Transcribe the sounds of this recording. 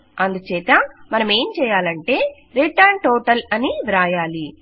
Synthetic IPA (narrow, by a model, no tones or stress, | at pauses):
ɐnd̪ut͡ʃɛːt̪ɐmɐnɐme̞ːmt͡ʃɛːjaːlɐɳʈe̞ː | ɾeʈːaːɳʈoːʈɐlɐniʋiɾaːjaːli